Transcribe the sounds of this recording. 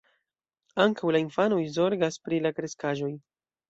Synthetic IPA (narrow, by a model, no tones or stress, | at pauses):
aŋkawlainfanojzo̞ɾɡaspɾilakɾe̞skaʒo̞j